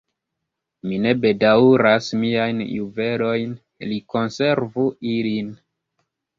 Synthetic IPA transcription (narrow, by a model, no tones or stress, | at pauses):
mine̞be̞dauɾasmiajnjuve̞lo̞jn | liko̞nse̞ɾvuilin